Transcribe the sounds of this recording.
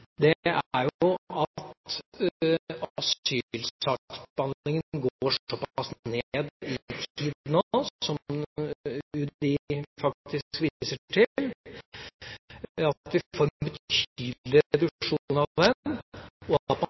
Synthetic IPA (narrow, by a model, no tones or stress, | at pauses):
d̪ɛæɾjʊɑt̪ | ɑsyːlsɑk̪bɑnɪŋənɡoːʂɔpːɑsneːd̪ɪt̪ʰiːd̪noɔm | ʉɪfɑk̚t̪ʰɪskʋisəʈʰɪl | ɑt̪ʋɪfoːɾbət̪ʰyːd̪lɪɛd̪ʉʂuːnɑʋɛnː | ɔp